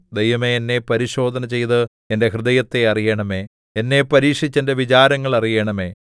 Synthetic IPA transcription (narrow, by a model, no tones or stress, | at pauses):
d̪ejʋɐme̞ːnːe̞pɐɾiɕo̞ːd̪ʱɐnɐt͡ɕe̞jt̪ɨ | ende̞ɦrɨðɐjɐt̪ːeɐrijeːɳɐme̞ː | enːe̞pɐɾiːkʂit͡ɕːende̞ʋit͡ɕaːɾɐŋːɐɭɐrijeːɳɐme̞ː